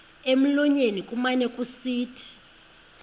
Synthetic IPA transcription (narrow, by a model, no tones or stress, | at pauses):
em̩lɔɲenikʼumanɛkʼusiːtʰi̥